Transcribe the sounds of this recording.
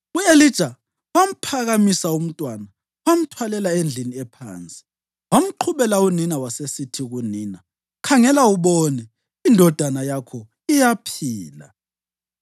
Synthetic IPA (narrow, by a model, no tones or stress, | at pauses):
ɣuelid̥ʒ̥ʱa | wam̩pʰaɣamisaum̩tʼwana | wam̩tʰwalɛlaend͡ɮʱiniɛpʰa̰ːnt͡sʼi̥ | wam̩ǃʰuβɛlauninawasesitʰiɣuniːna | kʰaŋɛlauβɔnɛ | indʱɔd̥ʱanajakʰɔ | ijapʰiːla̰